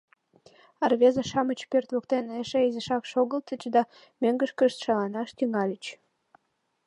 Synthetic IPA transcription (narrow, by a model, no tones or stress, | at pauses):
ɑrβezɑʃɑmət͡ɕpørt̪βokt̪eneʃeizəʃɑkʃoɣəlt̪ət͡ɕd̪ɑ | møŋɡəʃkəʃt̪ʃɑlɑnɑʃt̪yŋɑlʲət͡ɕ